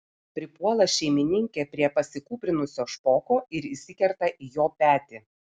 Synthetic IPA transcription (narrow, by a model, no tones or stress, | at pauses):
pʲɾʲɪpuɔlˠɐʃʲɛɪmʲɪnʲɪŋʲkʲeːpʲɾʲiɛpɐsʲɪkuːpʲɾʲɪnʊsʲoːʃpoːkoːɪɾɪsʲɪkʲɛɾt̪ɐʔijoːpʲæːt̪ʲɪ